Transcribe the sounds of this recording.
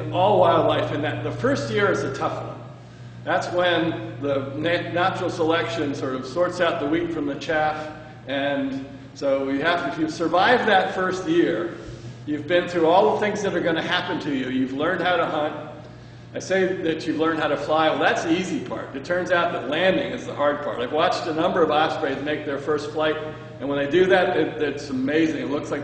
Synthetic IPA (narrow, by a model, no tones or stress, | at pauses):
ɔlˠwaɪlˠdˡlaɪfɨ̃nðɨt̪̚ðəfɜ˞st̚jɪɹɨzɨtʰʌfwʌ̰̃n | ðætswə̃nðənænæt͡ʃɹl̩ˠsəlɛkʃɨ̃nsɔɹɾʌv̥sɔɹtsaʊt̪̚ðəwikfɹʌ̃mðɨt͡ʃʰæf | ɨ̃n | soʊjɨhæfɨfjɨv̥sə˞vaɪvðɨtfɜ˞st̚jɪɹ | jʉvbɨ̃nθuɔlˠðəθɪ̃ŋzðɨɾə˞ɡʌñɨhæpɨ̃ntʰɨjʉjʉvlɜ̃˞nd̚haʊɾəhʌ̃nt̚ | aɪseɪðɨt͡ʃɨvlɜ̃˞ndhaʊɾɨflaɪwɛlˠðætsðiizipʰɑ̰ɹɾɨtʰɜ̃˞nzaʊt̪̚ðɨtˡlæ̃ndɪ̃ŋɨzðəhɑɹd̚pʰɑ̰ɹɾaɪvwɑt͡ʃtɨnʌ̃mbə˞ʌvasɹeɪzmeɪk̚ðə˞fɜ˞stflaɪɾ | ɨ̃nwə̃nðeɪdɨðɨt̚ɪt̚ðɪtsəmeɪzɪ̃ŋɨtˡlʊkslaɪ